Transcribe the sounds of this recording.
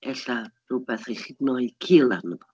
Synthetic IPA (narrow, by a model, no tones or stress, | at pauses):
ɛɬarubɛθrejχidnɔjkʰilˠanəbɔ